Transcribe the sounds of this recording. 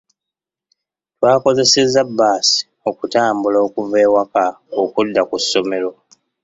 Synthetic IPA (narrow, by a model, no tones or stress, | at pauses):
twaːko̞ze̞sezːabːaːsi̥ | o̞kutaːmbulo̞ːkuve̞ːwaka | okudːakusːo̞me̞lo̞